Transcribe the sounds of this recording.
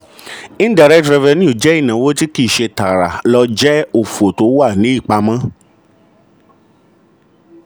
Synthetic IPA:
ĩ˦n˦da˦˨ɾɛ˦tɾɛ˧vɛ˧nĩ˦u˦˨d͡ʒɛ˦i˦˨nã˨wo˦ti˦ki˦˨ʃe˧ta˨ɾa̰˨lɔ˧d͡ʒɛ˦o˨fu˨o˨to˨˦wa˦˨nĩ˨˦i˦˨k͡pa˧mã˦

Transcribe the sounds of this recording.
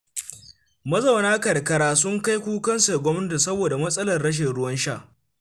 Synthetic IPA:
mɐ˦zɐ˨wnaː˦kɐ˨rkɐ˦ɾaː˦sʊ˦ŋka˦jkʷuː˦kɐ˦nsa˨ɡʷɔ˦mnɐ˦ta˨sɐ˦boː˨da˨mɐ˦sʼɐ˦lɐ˨rɽɐ˦ʃ̬ɪ˨nɽʊ˦wɐ˦nʃaː˦˨

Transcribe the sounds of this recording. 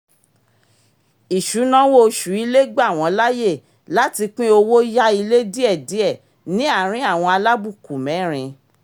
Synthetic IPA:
i˨ʃu˨˦nã˦wo˦˨˧ʃu˨˦i˧le˦ɡ͡ba˦˨w̃ɔ̃˨˧˦la˦je˦˨ | la˨˦ti˧k͡pĩ˦o˧wo˦ja˦i˧le˦di˦ɛ˦˨di˨˦ɛ˦˨ | nĩ˦a˦˨ɾ̃ĩ˦a˦˨w̃ɔ̃˧a˧la˦bu˦˨ku˨mɛ̃˨˦˨ɾ̃ĩ˧

